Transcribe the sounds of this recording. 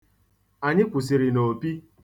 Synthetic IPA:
a˨ɲɪ˦kʷʊ˨s̬i˨ɾɪ˨no˨pi˦

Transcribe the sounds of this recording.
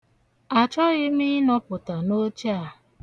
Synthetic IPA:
a˨t͡ʃɔ˦ɣɪ˦mi˦nɔ˦pʊ˨ta˨no˦t͡ʃa˨

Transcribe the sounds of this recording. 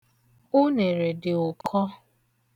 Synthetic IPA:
ʊ˦ne˨ɾe˨dɪ˨ʊ˨kʰɔ˦

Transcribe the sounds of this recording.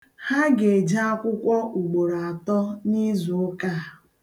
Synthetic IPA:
ha˦ɡe˨d͡ʒa˦a˦kʷʊ˦kʷɔ˦ʔu˨ɡ͡bo˨ɾaa˨tɔ˦ni˦zu˨ʊ˦ka˦˨

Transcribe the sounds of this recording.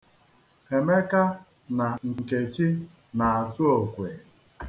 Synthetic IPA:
he˨me˦ka˦ | na˨ŋ̩˨ke˨t͡ʃi˦ | na˨a˨tʊ˦o˨kʷe˨

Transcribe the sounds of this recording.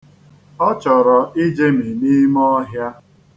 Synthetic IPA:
ɔ˦t͡ʃɔ˨ɾɔ˨i˦d͡ʒe˦mi˨ni˦mɔ˦ɦja˦

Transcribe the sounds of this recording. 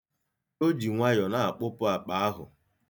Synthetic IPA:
o˦d͡ʒi˨ŋʷa˦jɔ˨na˨a˨k͡pʊ˦pʊ˦a˨k͡pa˨˦a˦ɦʊ̰˨

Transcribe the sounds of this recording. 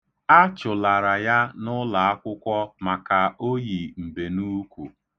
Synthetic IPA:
a˦t͡ʃʊ˨la˨ɾa˨ja˦nʊ˦la˨a˦kʷʊ˦kʷɔ˦ma˨ka˨o˦ji˨m̩˨be˨nu˦kʷu˨

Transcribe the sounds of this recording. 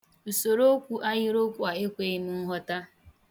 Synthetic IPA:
u˨so˨ɾo˦kʷu˦ʔa˦ɣɪ˦ɾo˦kʷu˨a˨e˦kʷe˨i˦nu˦ɦɔ˦ta˦

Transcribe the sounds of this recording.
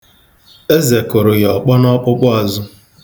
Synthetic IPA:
e˦ze˨kʊ˨ɾʊ˨jɔ˨k͡pɔ˦nɔ˦k͡pʊ˦k͡pɔ˦a˨zʊ˦

